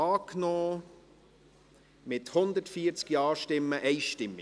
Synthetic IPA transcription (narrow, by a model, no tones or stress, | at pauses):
ɑːknɔː | mɪthʊnd̪ətfiːəɾt͡skiɑːʃtɪmːəʔɛɪʃtɪmːɪ